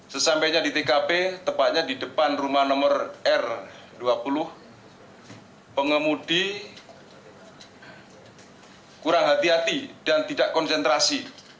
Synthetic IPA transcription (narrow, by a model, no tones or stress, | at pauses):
səsampajɲadit̪ekapet̪əpat̪̚ɲadidəpanrumahnɔmərɛr | duapulʊh | pəŋəmudi | kuɾaŋɦat̪iɦat̪id̥ant̪idaʔkɔnsɛnt̪ɾasi